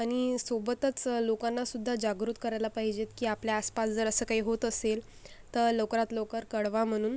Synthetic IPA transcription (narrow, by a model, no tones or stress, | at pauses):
aɽ̃isobət̪ət͡slokãnːasud̪ʱːad͡ʑaɡɾut̪kəɾajlapaɦid͡ʑet̪kiːapljaːspasd͡zəɾəsəːkaɦiːɦot̪əsel | t̪əɾləwkɾat̪lokəɾkəɽʋam̤əɽ̃uːn